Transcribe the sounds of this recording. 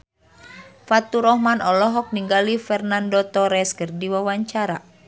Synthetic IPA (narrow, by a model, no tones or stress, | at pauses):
fat̪uɾɔhmanɔlɔɦɔk̚niŋɡalifɛrnandɔt̪ɔɾɛskɨrdiwawaɲt͡ʃaɾa